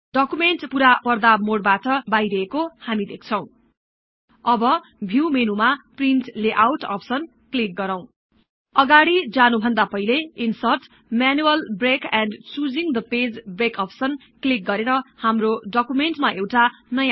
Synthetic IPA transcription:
ɖʌkumeɳʈpuɾapʌrd̪amoɽbaʈʌbajɾʌekohamid̪ekʰt͡sʰʌ̃w̃ | ʌbʌ | bʱiwmenumaprinʈleʔawʈʌ̰psʌn | klik̚ɡʌɾaw̃ | ʌɡaɽid͡zanubʱʌnd̪apʌɦileinsʌrʈ | manuʌlbrekɛnɖt͡sud͡ziŋd̪ʌped͡zbrekʌpsʌn | klik̚ɡʌɾeɾʌhamroɖʌkumeɳʈmaewʈanʌja

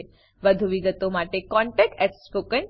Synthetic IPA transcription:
ʋəd̪ʱuʋiɡət̪omaʈekɔ̃ɳʈek̚ɛkspokən

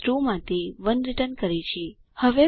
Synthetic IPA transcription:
ɾumãt̪eʋənɾɪʈənkəɾit͡ʃʰe | həʋe

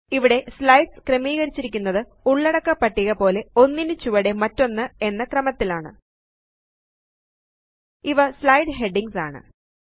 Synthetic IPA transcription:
iʋiɽe̞slɐjɖskrɐmiːɣɐɾit͡ɕːiɾik̬ʲːunːɐðɨ | uɭːɐɽɐkːɐpːɐʈːiɣɐpo̞ːle̞o̞nːinɨt͡ɕuʋɐɽe̞mɐtːo̞nːɨe̞nːɐkrɐmɐt̪ːilaːɳɨ̰ | iʋɐslɐjɖɦe̞ɖiŋɡsa̰ːɳɨ̰

